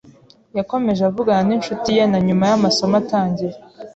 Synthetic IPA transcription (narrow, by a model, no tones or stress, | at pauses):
jako̞me̞ʒavuɡananinʃutije̞naɲumajamaso̞mataːɲɟiɾe